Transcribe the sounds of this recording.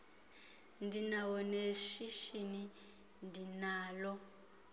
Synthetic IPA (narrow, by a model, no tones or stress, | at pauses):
ndinawɔneʃiʃini | ndinaːlɔ